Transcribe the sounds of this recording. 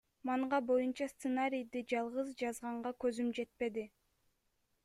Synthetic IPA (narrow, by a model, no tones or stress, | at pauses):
mɑɴʁɑbo̞junt͡ʃɑst̪sɨnaɾʲijd̪id͡ʒɑlˠʁɯzd͡ʒɑzʁɑɴʁɑkø̞zymd͡ʒe̞t̪̚pe̞d̪i